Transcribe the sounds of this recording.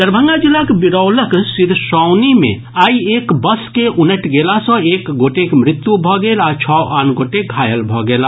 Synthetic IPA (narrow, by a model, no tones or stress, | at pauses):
d̪əɾbʱə̃ŋɡad͡ʒilːakbiɾəwləksiɾsɔʊnimḛ̃ | aiekbəskeʔunəʈɡelasə̃ekɡoʈekmɾit̪jubʱɔɡelat͡ʃʰɔʔanɡoʈeɡʱajəlbʱɔɡela